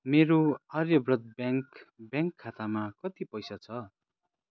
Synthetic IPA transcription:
meɾoʌrjʌbrʌt̪̚baŋkbjãŋkʰːat̪amakʌt̪ipʌjsat͡sʰʌ

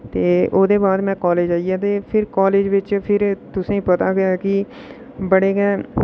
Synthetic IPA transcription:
t̪eːoːd̪ebaːd̪mɛ̃kɔːleːd͡ʒaːijat̪̬eːpʰɪɾkɔːleːd͡ʒʋɪt͡ʃpʰɪɾt̪ʊsẽĩpɐt̪aɡɐjaki | bɐɽeːɡɛː

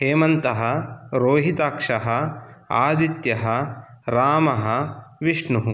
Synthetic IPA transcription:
heːmɐnt̪ɐɦɐɾoːɦit̪aːkʂɐɦɐa̰ːd̪it̪jɐɦɐ | ɾaːmɐɦɐʋiʂɳuɦu

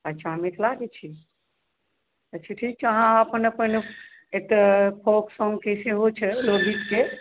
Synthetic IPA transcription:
at͡ʃamet̪laɡɛt͡ʃʰi | ət͡ʃʰiʈʰik̚t͡ʃaɦãəpənəpəne | et̪əpʰoksɔŋɡkeseɦot͡ʃʰɛloɡʱit̪ke

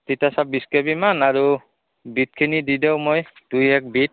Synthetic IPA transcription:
titasabiskɛbimanaɹu | bit̚kʰinididɛwmoj | d̥ujɛk̚bit̚

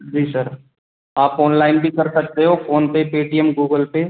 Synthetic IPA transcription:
d͡ʒiːsɐɾ | aːpoːnlaːɪnbʱikɐɾsɐk̚t̪eɦofʰoːnpepeːʈijəmɡuːɡəlpe

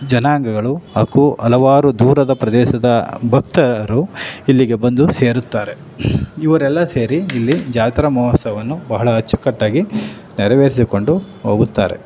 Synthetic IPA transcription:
d͡ʒɐnaːŋɡɐɡɐɭuɐkuɐlɐʋaːɾud̪uːɾɐd̪ɐpɾɐd̪ɛːʃɐd̪ɐbʱɐk̚t̪ɐɐɾuilːiɡe̞bɐnd̪use̞ːɾut̪ːaːɾe̞ | iʋɐɾɛlːɐse̞ːɾiːlːid͡ʒaːt̪ɾɐmɐːɦɐsɐʋɐnːubɐɦɐɭɐɦɐt͡ʃːu̥kɐʈːaːɡi | nɛɾɐʋeːɾisiko̞ɳɖu | ɦoːɡut̪ːa̰ːɾe̞̰

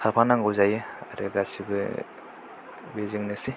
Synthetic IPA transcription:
kʰapʰanaŋɡɯwzajɯɾeɡasibɯ | beziŋnɯsi

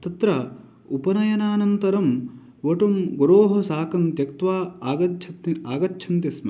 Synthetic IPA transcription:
t̪ɐt̪ɾɐ | upɐnɐjɐnaːnɐnt̪ɐɾɐm | ʋɐʈɐmɡoɾoːɦɐsaːkɐnt̪jɐkt̪ʋaːɡɐt͡ʃʰɐaːɡɐtːt͡ʃʰɐnt̪jɐsmɐ

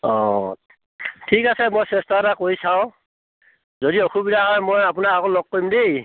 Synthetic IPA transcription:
ɔ | tʰikasɛmojsɛstaɾakoɹisaʊ̃ | zodiokʰubidaxɔɛmojap̬ʊnakakolɔɡ̚ːoimdej

